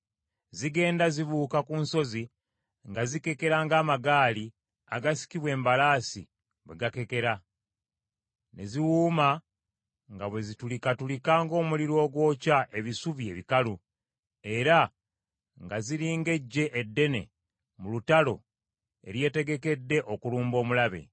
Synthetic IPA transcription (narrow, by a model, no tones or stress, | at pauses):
ziɡe̞ːndaziβuːkakunso̞zi | ŋɡazike̞ke̞ɾaːŋɡaːmaɡaːli | a̰ɡasi̥kiβwe̞ːmbalaːsḭ | βwe̞ɡake̞ke̞ɾa | ne̞̰ziwuːma | ŋɡaβwe̞zitulikatulikaːŋɡo̞ːmuliɾo̞ːɡwo̞ːcaʔe̞βisuβie̞βikalu | e̞ɾa | ŋɡaziɾiːŋɡe̞ɟːe̞ʔːdːe̞ne̞̰ | mulutalo̞̰ | e̞̰ɾje̞ːte̞ɡe̞ke̞dːe̞ʔo̞kuluːmbo̞ːmulaβe̞̰